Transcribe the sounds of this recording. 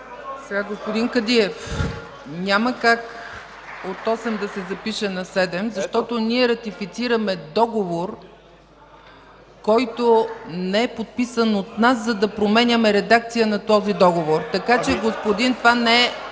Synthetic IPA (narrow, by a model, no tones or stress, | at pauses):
sɛɡaɡospod̪iŋkɐd̪iɛf | nʲaməkak | ot̪ɔsɛmd̪ɐsɛzɐpiʃɛnɐsɛd̪ɛmzɐʃt̪ɔt̪oniɛɾɐt̪ifit̪siɾəmɛd̪ɔɡovoɾ | kɔjt̪onɛɛpot̪̚pisənot̪naszɐd̪ɐpɾomɛnʲəmɛɾɛd̪ak̚t̪sijənɐt̪ɔzid̪ɔɡovoɾt̪ɐkat͡ʃɛɡospod̪int̪vanɛ